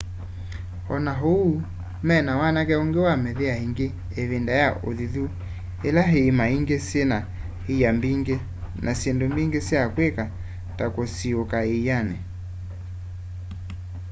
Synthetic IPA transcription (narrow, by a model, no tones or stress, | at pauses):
hɔnaɦouː | mɛnawanakɛoŋɡewamɛðeahiŋɡeː | βendajaʔoðiðu | elaɦeimaiŋɡesena | hijambiŋɡe | nʔasendombiŋɡeseakweka | takosiokaejanɛ